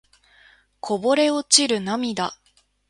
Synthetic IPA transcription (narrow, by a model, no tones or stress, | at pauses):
kʰo̞bo̞ɾe̞o̞t͡ɕiɾɯ̟namʲid̪a